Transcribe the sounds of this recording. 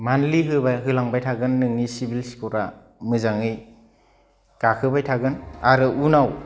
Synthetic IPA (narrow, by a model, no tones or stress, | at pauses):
manliɦɯbajɦɯlaŋbajtʰaɡɯnːɯŋnisibilskʰuɾa | mɯzaŋɯj | kakʰɯbajtʰaɡɯnaɾɯʔunaw